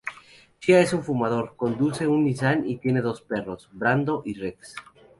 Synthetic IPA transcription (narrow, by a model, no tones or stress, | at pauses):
t͡ʃiae̞suɱfumað̞o̞ɾko̞nd̪use̞unːis̬anit̪je̞ne̞ð̞o̞spe̞ro̞zbɾand̪o̞ʔireks